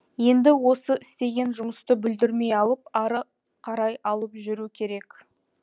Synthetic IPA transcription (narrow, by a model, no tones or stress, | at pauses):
je̞nd̪ɪwo̞səʔɪst̪e̞ɡʲe̞nʒʊməst̪əbʏld̪ɪɾme̞jɑlˠəp̚ɑɾə | qʰɑɾɑjɑlˠəpʒʏɾukʲʰe̞ɾe̞k